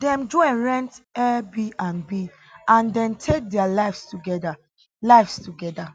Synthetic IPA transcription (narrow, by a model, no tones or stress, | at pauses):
dɛ̃mdɔɛ̃nɹɛ̃ntɛbiãnbi | ʔãndɛ̃ntʰek̚dɛalaɪfstuɡɛda | laɪfstuɡɛda